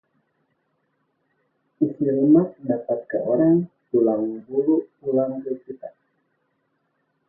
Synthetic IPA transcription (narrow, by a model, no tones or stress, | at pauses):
ʔisiləmat̪̚ndapat̪̚kaʔoɾaŋ | tulaŋbuluʔulaŋdukit̪a